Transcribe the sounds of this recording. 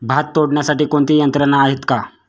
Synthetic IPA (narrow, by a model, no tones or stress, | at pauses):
bʱat̪ːoɽɳjasaʈiːkoɳt̪iːjənt̪ɾənaːɦet̪ka